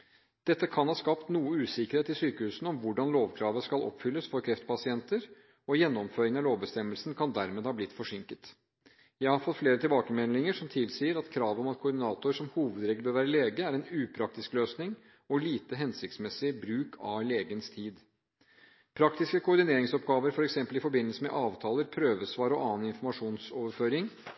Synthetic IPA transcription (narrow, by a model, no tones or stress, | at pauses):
d̪̥ɛt̪ːəkʰɑnhɑːskɑpt̪nuːəʉːsɪkəɾheːt̪ɪsyːkəhʉːsn̩ɔmʋʊɖɑnloːʋkʰɾɑːʋəskɑlʔɔ̰pːfʏlːəsfɔɾkʰɾɛft̪pɑsɪɛnt̪əɾ | ɔjɛnːɔmføːɾɪŋɑloːʋbəst̪ɛmːəlsnkʰɑnd̪æɾmeːd̪hɑːblɪt̪ːfɔʂɪŋkət̪ | jæɪhɑɾfɔt̪ːfleːɾət̪ʰɪlbɑːkəmɛnlɪŋəʂɔmt̪ʰɪlsiːəɾɑt̪kʰɾɑːʋəɔmɑt̪kʰʊːɖɪnɑːt̪ʊɾʂɔmhuːʋəd̪ɾeːɡləbøːɾʋæːɾəleːɡəæɾɛnʉːpʰɾɑk̚t̪ɪskløːsnɪŋ | ɔliːt̪əɦɛnsɪkt̪smɛsɪbɾʉːkʰɑ̰leːɡənst̪ʰiːd̪ | pʰɾɑkt̪ɪskəkʰʊɔɾɖ̪ɪneːɾɪŋsɔpɡɑːʋəɾfɔɾɛksɛmpəlɪfɔɾbɪnːəlsəmɛ̰ʔɑːʋt̪ʰɑːləɾpʰɾøːʋəsʋɑːɾəɔʔɑːnɪnfɔɾmɑʂuːnsɔːʋəɾføːɾɪŋ